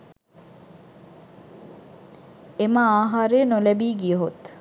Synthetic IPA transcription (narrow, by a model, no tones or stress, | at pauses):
emaaːɦaːɾeːnolæbiːɡiəɦot̪